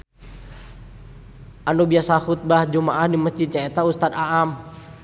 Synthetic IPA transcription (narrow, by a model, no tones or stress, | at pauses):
ʔanubiasahut̪̚bahd͡ʒumaʔahdiməsd͡ʒid̪̚t͡ʃaɛt̪aust̪at̪aʔam